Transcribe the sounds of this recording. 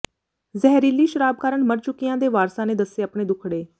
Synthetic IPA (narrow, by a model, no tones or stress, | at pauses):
zɛɦɾiːliːʃəɾaːb̚kaːɾəɳməɾt͡ʃʊkːɪjãːd̪eːʋaːɾsãːneːd̪əseːəpɳeːd̪ʊkʰɽeː